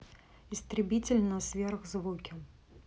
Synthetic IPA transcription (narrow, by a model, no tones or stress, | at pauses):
ist̪ɾɨbʲit͡sʲɪlʲnɐsʲvʲɛrɣzvukʲi